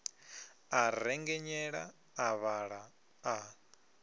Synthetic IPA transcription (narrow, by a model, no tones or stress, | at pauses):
aɾɛŋɡɛɲɛɺa̰ː | βaɺa | a